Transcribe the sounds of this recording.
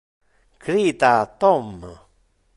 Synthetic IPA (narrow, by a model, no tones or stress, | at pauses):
kɾit̪at̪om